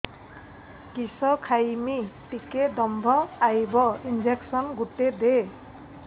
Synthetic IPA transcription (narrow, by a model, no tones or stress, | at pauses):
kisʌkʰajmiʈiked̪ʌmbʱʌajbʌind͡ʒeksʌnɡuʈːed̪e